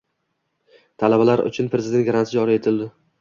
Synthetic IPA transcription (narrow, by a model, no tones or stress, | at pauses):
t̪ʰalabalaɾʊ̰t͡ʃʰʊnpʰɾezɪd̪e̞nt̪̚ɡɾansɪd͡ʒɒɾie̞t̪ʰɪld̪ɪ